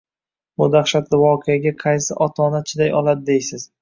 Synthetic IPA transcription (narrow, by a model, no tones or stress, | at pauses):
bʊd̪aχʃat̪lɪvɒqʰejaɡʲaqʰɑjsɪʔɒt̪ʰɒnat͡ʃʰɪd̪ajɒlˠad̪ɪd̪ejsɪz̥